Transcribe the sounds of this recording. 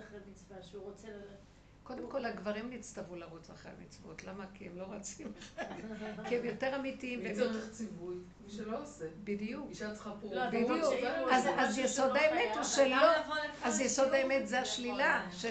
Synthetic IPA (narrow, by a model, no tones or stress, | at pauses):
χemit͡svaʃuʁot͡sel | ko̞d̪emko̞laɡvaʁimnit͡stavulaʁut͡sa̰χḛa̰mit͡svo̞̰tlamakiemlo̞ʁat͡simeχad̥kiemjo̞teʁamitiimemjot̪eʁt͡sivuj | ʃeloosebid̪ijukiʃat͡sχapbid̪uazazjesod̪aemet̪ʃeloazjeso̞d̪aemetzeaʃlilaʃe